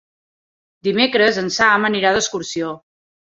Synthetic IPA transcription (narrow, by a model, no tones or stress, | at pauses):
d̪imekɾəzənsaməniɾaðəskuɾsio